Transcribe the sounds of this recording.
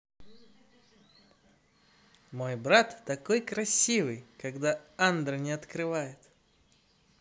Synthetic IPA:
mo̞jbɾat̪ːɐko̞jkɾɐsʲivɨjkɐɡd̪aand̪rənʲɪɐt̪kɾɨvajɪt̪

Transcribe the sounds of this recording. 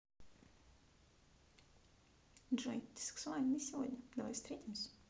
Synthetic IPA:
dʐɛjt̪ʲɪ̥sɛ̥ksʊalʲnɨsʲɪvodʲnʲɐd̪ɐva̰jst̪ɾʲetʲɪmsʲ

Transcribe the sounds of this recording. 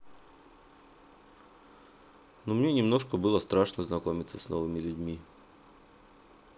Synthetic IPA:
numnʲe̞nʲɪmno̞ʂkəbɨlˠəst̪ɾaʂnəznɐko̞mʲɪt̪səsnovɨmʲɪlʲʉdʲmʲi

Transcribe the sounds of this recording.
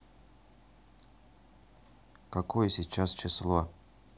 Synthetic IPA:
kɐkojəsʲit͡ɕast͡ɕɪslˠo

